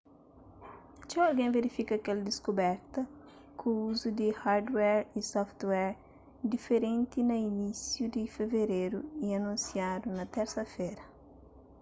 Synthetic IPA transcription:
t͡ʃɛwɐlɡẽveɾifikɐkɛlɐd̪iskubɛɾt̪ɐ | kʰuuzud̪ihaɾd̪wɛɾisɔft̪wɛɾ | d̪ifeɾẽnt̪inɐinisjud̪ifeveɾeɾuiɐnũnsjad̪unɐt̪ɛɾsɐfeɾɐ

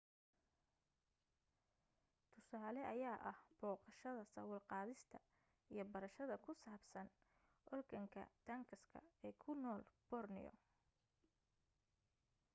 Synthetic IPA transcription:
t̪ʰʊsaːlɛʔɐjaːʔɐhb̥ɔːqɑʃɐðɐsɐwɐlqɑːðɪst̪ʰɐ | ijɞbɐɾɐʃɐðɐkʰʊsaːbsɐn | ʔɔrɡʰɐŋkʰɐ̰t̪ʰɐŋkʰɐskʰɐ̰ɛːkʰʊnɔːlb̥ɔrnɪ̰jɔ̰

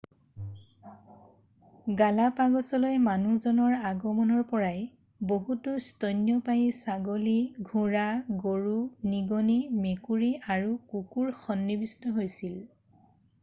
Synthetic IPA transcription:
ɡalapaɡɔsɔlojmanuzɔnɔɹaɡɔmɔnɔɹpɔɹaj | boɦutʊstɔjnjɔpajisaɡoliɡʱuɹaɡoɹuniɡɔnimekuɹiaɹukukuɹxɔnːibistɔɦojsil

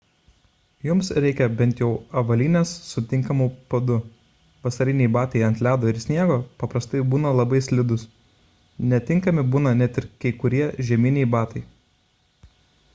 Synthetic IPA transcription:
jʊmsɾʲɛɪkʲɛbʲɛnʲt̪ʲjɛʊɐʋɐlʲiːnʲeːsːʊt̪ʲɪŋkɐmuːpɐd̪ʊ | ʋɐsɐɾʲɪnʲɛɪbɑːt̪ɐɪɐnt̪ʲlʲæːd̪oːɪɾsʲnʲiɛɡoːpɐpɾɐst̪ɐɪbuːnɐlˠɐbɐɪsʲlʲɪd̪ʊs | nʲɛt̪ʲɪŋkɐmʲɪbuːnɐnʲɛt̪ʲɪɾkɐɪkʊɾʲiɛʒʲɛmʲɪnʲɛɪbɑːt̪ɐɪ

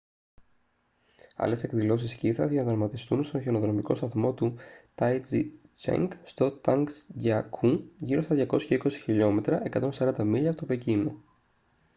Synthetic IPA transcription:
ɐ̰le̞se̞kðilo̞s̬isciθɐðiɐnðɐɾmɐt̪ist̪unst̪o̞nçenoðɾo̞miko̞st̪ɐθmo̞t̪ut̪ɐjt͡sit͡ʃḛŋɡst̪o̞t̪ɐŋksʝɐkʰuʝiɾo̞stɐðʝɐko̞scɐiko̞si̥çiʎo̞me̞t̪ɾɐʔe̞kɐt̪o̞nsɐɾɐnd̪ɐmiʎɐpot̪opecino

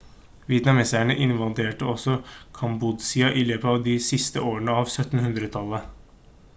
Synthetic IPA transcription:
ʋɪɛt̪nɑmɛsæɳəʔɪnʋɑld̪eːʈəɔsɔkʰɑmbud̪sɪɑʔɪløːpəɑʋd̪isɪst̪ə̰ʔoːɾəɳəɑːʋsœt̪n̩hʉnd̪ɾət̪ʰɑlːə

